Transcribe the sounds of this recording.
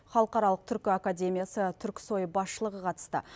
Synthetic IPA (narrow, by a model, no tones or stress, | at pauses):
χɑlˠəqɑɾɑlˠəq̚t̪ʰʏɾkʲɪakad̪ʲe̞mʲijasət̪ʰʏɾkʲɪ̥so̞jbɑsʃəlˠəʁəqʰɑt̪ə̥st̪ə̰